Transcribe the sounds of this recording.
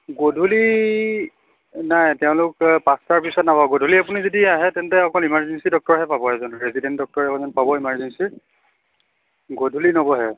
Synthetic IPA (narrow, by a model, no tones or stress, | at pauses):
ɡodʱuli | najtɛʊ̃lʊkpastaɹpisɔtnapabɔɡodʱuliapunizodiaɦɛtɛntɛɔkɔlimaɹzɛnsidɔk̚tɔɹɦɛpabɔɛzɔnɹesidɛntdɔk̚tɔɹɛkɔzɔnpabɔimaɹzɛnsiɹ | ɡodʱulinobɔɦɛ